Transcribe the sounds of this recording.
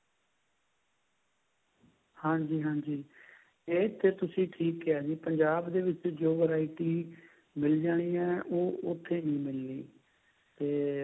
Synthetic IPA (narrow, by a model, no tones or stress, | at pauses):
hãːd͡ʒiːɦãːd͡ʒiː | eːt̪eːt̪ʊsĩːʈʰiːkaːd͡ʒiːpəɲd͡ʒaːbd̪eːʋɪt͡ʃd͡ʒoːʋəɾaːɪʈiː | mɪld͡ʒaːɽ̃iːɛ̃ːʔoːʔʊt̪ʰːeːnĩːmɪlːiː | t̪eː